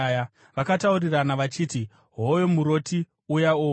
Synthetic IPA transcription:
ja | ʋakatauriranaʋat͡ʃiːti | ɦojo̞muɾo̞ti | ujao

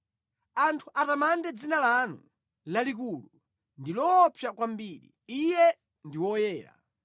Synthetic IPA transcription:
antʰuʔatamandɛd͡zinalanu | lalik̬ulu | ndilɔpʰjakwambiːɾḭijɛ | ndiwɔjɛːɾa̰

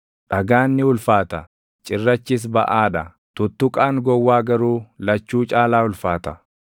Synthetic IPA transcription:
ᶑɐɡaːnːɪʊlfaːt̪ɐ | t͡ʃʼɪrːɐt͡ʃːɪs̬bɐ̰ʔaːᶑɐ | t̪ʊt̪ːʊkʼaːŋɡɔwːaːɡɐɾuːlɐt͡ʃːuːt͡ʃʼaːlaːʊlfaːt̪ɐ̥

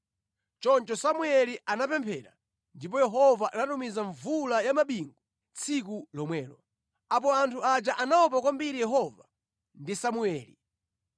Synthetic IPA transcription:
t͡ʃɔnt͡ʃɔsamuɛliʔanapɛmpʰɛɾa̰ | ndip̬ɔjɛɦɔvaʔanatumizaɱvulajamaɓiŋɡu | t͡sʰik̬ulɔmwɛːlɔ | ap̬ɔantʰuad͡ʒaʔanaɔp̬ak̬wambiɾijɛɦɔva | ndisamuɛːli

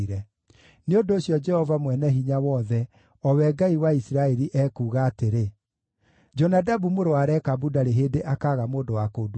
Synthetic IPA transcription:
ɾɛ | neondoːsjɔd͡ʒɛhɔvamwɛnɛɦiɲawɔðɛ | ɔwɛɡaiwaisiɾaɛɾiʔɛːkuːɣaːteɾe | d͡ʒɔnadabumoɾoaɾɛkabudaɾeɦeːdeʔakaːɣamoːdowakod

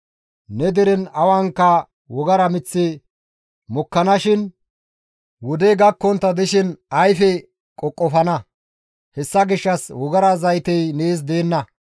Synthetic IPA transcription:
nɛd̪ɛɾɛnɐwɐŋkːɐ | wɔɡɐɾɐmɪt͡sːɪ | mɔkːɐnɐʃɪn | wɔd̪ɛɡɐkːɔnt̪ːɐd̪ɪʃɪnɐjfɛ | kʼɔkʼːɔfɐnɐ | hɛsːɐɡɪʃːɐswɔɡɐɾɐzɐjt̪ɛjneːs̬d̪e̞ːnːɐ

